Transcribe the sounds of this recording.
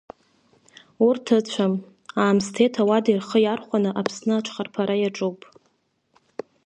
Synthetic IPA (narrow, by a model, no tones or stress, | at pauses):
urtʰɨt͡ɕʷʰam | aːmstʰe̞jtʰawadirχəjarχʷanɨʔapʰsnɨat͡ʃʷʰχarpʰaɾajaʈ͡ʂʼowpʼ